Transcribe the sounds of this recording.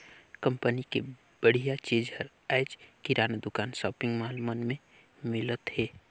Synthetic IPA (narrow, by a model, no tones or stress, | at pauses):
kə̃mpənike | bəɽ̤ijat͡ʃeːd͡ʒəɾ | aːd͡ʒkiɾaːnad̪ʊkaːnsɔːpɪ̃ŋɡmaːlmənmẽ | mɪlət̪heː